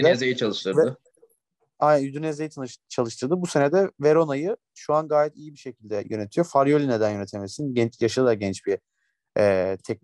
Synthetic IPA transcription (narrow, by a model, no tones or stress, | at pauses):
ynezejit͡ʃʰalˠɯʃt̪ʰɯɾɯ | aj̪nd̪ynezejit̪ʰt͡ʃʰalˠɯʃt̪ʰɯɾd̪ɯbuse̞ned̪ɛveɾo̞najɯ | ʃuanɡaːjɛt̪ʰijibiʃecʰilʲd̪ɛjøne̞t̪ʰijofaɾjolʲined̪ænjønet̪ʰemesinɟɛnt͡ʃjaʃɯɯd̪ˠaɾɟɛnt͡ʃbi | ɛːt̪ʰɛc̚